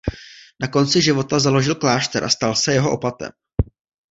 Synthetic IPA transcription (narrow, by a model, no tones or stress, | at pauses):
nako̞nt͡sɪʒɪvo̞t̪azalo̞ʒɪlklaːʃt̪ɛɾʔa̰st̪alsɛjɛɦoʔopat̪ɛ̰m